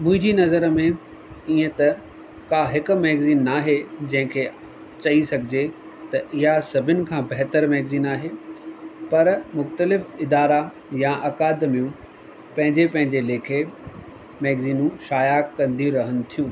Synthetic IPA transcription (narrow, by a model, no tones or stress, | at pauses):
mʊ̃ɦɪ̃ɲd͡ʑinɐzəɾmẽ | iːə̃t̪ɐ | kaːɦɪkʊmɛːɡziːnːaːɦed͡ʑɐ̃ɦɪ̃kʰe | t͡ɕɐisɐɡʱɪd͡ʑe | t̪ɐʔɪɦasɐbʱɪnɪ̆kʰãːbɐɦt̪əɾmɛːɡziːnaːɦe | pɐɾmʊxt̪əlɪfɪd̪aːɾa | jãʔɐkaːd̪ɪmijũ | pɐ̃ɦɪ̃ɲd͡ʑepɐ̃ɦɪ̃ɲd͡ʑeleːkʰe | mɛːɡziːnũʃaːjakɐ̃nd̪iɾɐɦənɪ̆t̪ʰijũː